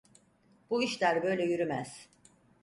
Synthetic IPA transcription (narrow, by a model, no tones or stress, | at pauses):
b̥uiʃlʲæɾbø̞jlʲɛjyɾymæz̥